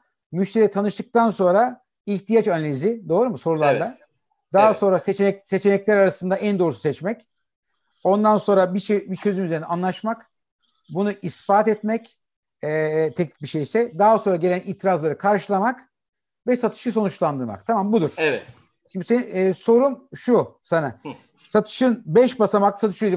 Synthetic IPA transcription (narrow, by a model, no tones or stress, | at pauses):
myʃt̪ʰe̞ɾijit̪ʰanɯʃt̪ɯk̚t̪anso̞nɾa | içt̪ʰijat͡ʃanalʲizid̪o̞ːɾumuso̞ɾulˠaɾd̪ˠa | d̪aɦaso̞nɾaset͡ʃ̪ɛse̞t͡ʃe̞nɛclʲæɾaɾasɯnd̪aʔænd̪o̞ːɾusu̥sɛt͡ʃmɛc | o̞nd̪anso̞nɾabit͡ʃebit͡ʃʰø̞zymyze̞ɾinɛanlˠaʃmak | bunuʔispaːt̪ɛt̪mɛc | ɛt̪ʰɛcnʲic̚biʃejsɛd̪aɦasonɾaɟe̞lʲæniːt̪ʰiɾazlˠaɾɯkʰaɾʃɯlˠamak | vɛsat̪ʰɯ̥ʃɯs̬o̞nut͡ʃlˠand̪ɯɾma̰k̚t̪ʰamambud̪uɾ̥ɛ | ʃimd̪iseso̞ɾumʃusana | sat̪ʰɯ̥ʃɯnbɛʃbasamaksat̪ɯ̥ʃɯjod̪